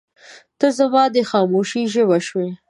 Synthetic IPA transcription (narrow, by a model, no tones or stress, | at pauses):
t̪əzamɑd̪əxɑmoʃiʒəwaʃwe